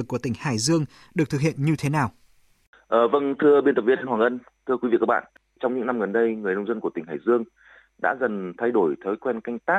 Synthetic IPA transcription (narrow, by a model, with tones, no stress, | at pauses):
kːu˧˩ət̪ï˧˩ŋhaː˧˩jzɨ˧əŋ | ɗɨ˨˩ək̚t̪ɨ˨k̚hḭ˧˨ənɲɨ˧t̪ʰe˨˦naː˨˩w | ʔəː˨˩və˧nt̪ʰɨ˧əɓi˧nt̪ə˨˩p̚vi˧ənʔnwaː˨˩ŋʔə˧n | t̪ʰɨ˧əkwi˨˦vḭ˧˨kaː˦˥ɓa̰ː˧˨ | t͡ɕɔ˧wŋ͡mɲɨ̰˧˥ŋna˧mɣə˨˩nɗə˧jŋɨ˨˩ənə˧wŋ͡mzə˧nku˧˩ət̪ï˧˩ŋ̟ɦaː˧˩jzɨ˧əŋ | ɗa̰ː˧˥zə˨˩nt̪ʰa˧jɗo˧˩jt̪ʰəː˨˦jkwɛ˧nka˧jŋ̟t̪aː˦˥